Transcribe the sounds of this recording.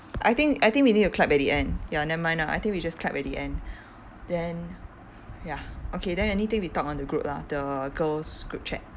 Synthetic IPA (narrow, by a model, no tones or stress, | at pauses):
ʔajt̪ɪ̃ŋkajt̪ɪ̃ŋk̚winit̚ukʰlapɛt̚diʔɛ̃njandɛ̃nmãjnaʔa̰jt̪ɪ̃ŋkwid͡ʒaskʰlapɛt̚diʔɛ̃n | dɛ̃n | jaʔokʰedɛ̃nɛnit̪ɪ̃ŋwitɔkɔ̃ndəɡɹup̚la̰dəɡəlsɡ̥ɹup̚t͡ʃʰɛ̰t̚